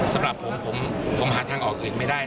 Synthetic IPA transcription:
sa˨˦mɾa˨˩pʰːo˩˦pʰo˩˦mpʰo˩˦mɦaː˩˦t̪ʰaː˧ŋʔɔː˨˩k̚ʔɯː˨˩nma˥˩jdaː˥˩j

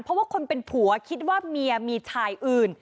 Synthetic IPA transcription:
npʰɔ˦waː˥˩kʰo˧npe˧npʰu˨˩˦ɐkʰi˦˥t̪̚waː˥˩mi˧ɐmiː˧t͡ɕʰaː˧jʔɯː˨˩n

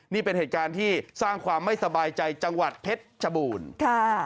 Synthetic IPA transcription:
niː˥˩pe˧nheː˨˩t̪̚kaː˧nt̪ʰiː˥˩saː˥˩ŋkʰwaː˧mːa˥˩jsa˧baː˧jt͡ɕa˧jt͡ɕa˧ŋwa˨˩t̪̚pʰe˦˥t̪̚t͡ɕʰa˧buː˧nkʰa˥˩

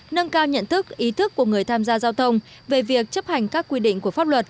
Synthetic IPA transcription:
nə˧ŋkaː˧wɲə̰˧˨nt̪ʰɨ˦˥k̚ʔi˨˦t̪ʰɨ˦˥kːu˧˩əŋɨ˨˩əjt̪ʰaː˧mzaː˧zaː˧wt̪ʰə˧wŋ͡m | ve˨˩vi˨˩ək̚t͡ɕə˦˥p̚ha˨˩jŋ̟kaː˦˥kːwi˧ɗḭ˧˨ŋ̟ku˧˩əfaː˦˥p̚lwə˨˩t̚

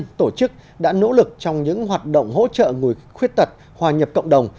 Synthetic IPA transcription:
nt̪o˧˩t͡ɕɨ˦˥k̚ | ɗa̰ː˧˥no̰˧˥lɨ˨˩k̚t͡ɕɔ˧wŋ͡mɲɨ̰˧˥ŋɦwaː˨˩t̚ɗə̰˧˨wŋ͡mɦo̰˧˥t͡ɕə̰ː˧˨ŋu˨˩əjxwi˦˥ət̚t̪ə˨˩t̚ | hwaː˨˩ɲə˨˩p̚kə̰˧˨ŋ͡mɗə˨˩wŋ͡m

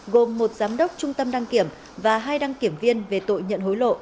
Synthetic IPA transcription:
ɣo˨˩mːo˨˩t̚zaː˨˦mɗə˦˥wk͡p̚t͡ɕʊ˧ŋ͡mt̪ə˧mɗa˧ŋki˧˩əm | vaː˨˩ɦaː˧jɗa˧ŋki˧˩əmvi˧ənve˨˩t̪o̰˧˨jɲə̰˧˨nɦo˨˦jlo̰˧˨

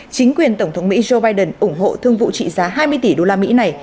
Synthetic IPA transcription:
t͡ɕï˨˦ŋ̟kwi˨˩ənt̪ə˧˩wŋ͡mt̪ʰə˨˦wŋ͡mmḭ˧˥zo˧ɓaː˧jɗə˨˩nʔʊ˧˩ŋ͡mɦo̰˧˨t̪ʰɨ˧əŋvṵ˧˨t͡ɕḭ˧˨zaː˨˦ɦaː˧jmɨ˧əjt̪i˧˩ɗo˧laː˧mḭ˧˥na˨˩j

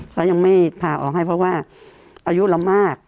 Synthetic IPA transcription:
kʰa˦˥wja˧ŋma˥˩jpʰaː˧˩ʔɔ̰ː˨˩k̚ɦa˥˩jpʰɾɔ˦˥waː˥˩ | ʔaː˧ju˦˥ʔla˨˧˦mːaː˥˩k̚

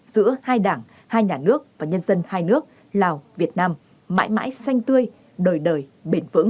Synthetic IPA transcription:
z̥ɨ̰˧˥əhaː˧jɗaː˧˩ŋ | haː˧jɲaː˨˩nɨ˦˥ək̚vaː˨˩ɲə˧nzə˧nhaː˧jnɨ˦˥ək̚ | laː˨˩wvi˨˩ət̚naː˧mː | a̰ː˧˥jma̰ː˧˥jsa˧jŋ̟t̪ɨ˧əj | ɗəː˨˩jɗəː˨˩jɓe˧˩nvɨ̰˧˥ŋ

